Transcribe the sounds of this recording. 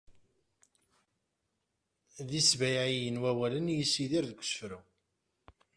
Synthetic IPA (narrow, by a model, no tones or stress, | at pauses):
ðisvæjijənwæwælənjəsːiðiɾðɡʷə̥sfɾu